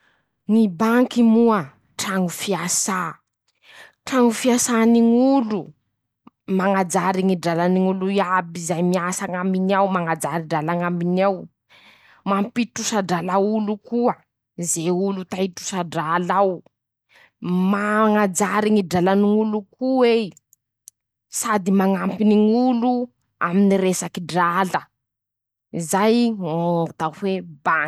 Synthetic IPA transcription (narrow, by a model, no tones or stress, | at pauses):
ŋibaŋkimuə | ʈ͡ʂaŋufiasa | ʈ͡ʂaŋufiasaniŋulu | maŋad͡zaɾiŋiɖ͡ʐalaniŋuluiabizajmiasaŋambiniawmaŋad͡zaɾiɖ͡ʐalaŋambinaw | mampitusaɖ͡ʐalawulukuə | zeulut̪aiʈ͡ʂu̥saɖ͡ʐalaw | maŋad͡zaɾiŋiɖ͡ʐalaniŋulukuwe | sad̪imaŋampiniŋulu | aminiɾesakiɖ͡ʐalə | izajŋoŋat̪ahweba